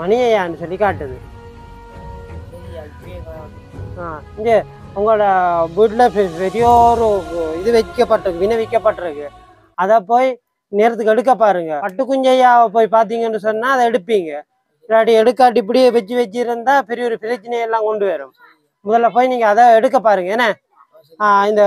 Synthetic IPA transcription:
mɐnɪjɐjaːɪnːɯsɔlːikaːʈːɯðɯ | aːɪɲd͡ʒe | ʊŋɡɐɭːɽɐʋiːʈːlɐppɛɾɪjoːɾɯɪðɯʋɛkːɐpːɐʈːɯɾɯkːɯʋɪnɐʋɪkːɐpːɐʈːɯɾɯkːɯ | ɐðapoːji | neːɾɐt̪ːɯkːɯɛɽɯk̬ːɐp̬ːaːɾɯŋɡɐpɐʈːɯkːʊɲd͡ʒɐjaːpoːjipaːɾt̪̬iːŋɡɐnːɯsɔnːaːɐðɐɛɽɯpːiːŋɡɐ | ɪlaːʈːiɛɽɯkːaːʈːɪp̬ːɐɽɪjeːʋɛt͡ʃːɯʋɛt͡ʃːɯɾɯnd̪ãːpɛɾɪjɔɾɯpɪɾɐt͡ʃːɪnɐjɛlːãːkɔɳɖɯʋeːɾɯm | mʊðɐlːɐpoːjiniːŋɡɐːðaːɛɽɯk̬ːɐpːaːɾɯŋɡɐɛnːɐ | aːɪnd̪ɐ

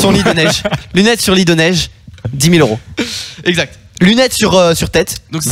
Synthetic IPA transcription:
sɔ̃lid̪ənɛʒlynɛt̪syʁlid̪ənɛʒd̪imiløʁoɛɡzak̚t̪ | lynɛt̪syʁøsyʁt̪ɛt̪d̪ɔ̃k

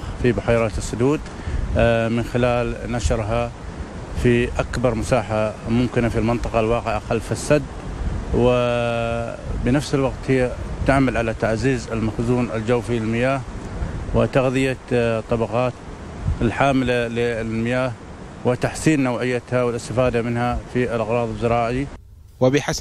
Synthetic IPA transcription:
fibʊħaːɾˤɑːt̪ɪsːʊd̪uːd̪ | mɪnxɪlaːlnaʃɾɦa | fiʔakbɑɾˤmʊsaːħamʊmkɪnafilmɪnt̪ˤɑqɑlwɑːqɪʕʔaqalːfisːad̪wɪ | bnafsɪlwaqt̪hɪjːat̪aʕmalʕalat̪aʕziːzɪlmaxzuːnɪld͡ʒawfilɪlmɪjaːhwɪt̪aɣðɪjat̪ˤːɑbɑqɑːt̪ | ɪlħaːmlalɪmɪjaːh | wɪt̪aħsiːnːawʕɪjːat̪hawɪlɪst̪afaːd̪amɪnhafiɪlʔɑɣɾˤɑːðˤɨzːɑɾˤɑːʕi | wɪbɪħas

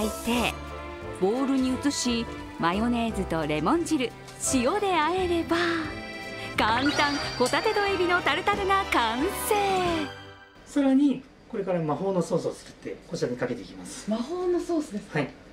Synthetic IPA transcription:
it̪e̞ | bo̞ːɾɯ̟ɲ̟iɯ̟t͡sɨɕi | majo̞ne̞ːzɨt̪o̞ɾe̞mõ̞ɲ̟d͡ʑiɾɯ̟ | ɕijo̞d̪e̞ae̞ɾe̞ba | kãnt̪ãŋ̃ho̞t̪at̪e̞d̪o̞ebʲino̞t̪aɾɯ̟t̪aɾɯ̟nakãɰ̃se̞ː | saɾaɲ̟i | ko̞ɾe̞kaɾamaho̞ːnoso̞ːsot͡sɨ̥kɯ̥t̪ːe̞koɕakɲikake̞t̪e̞ikʲimasɨ̥mahoːnosoːsɨd̪ehai

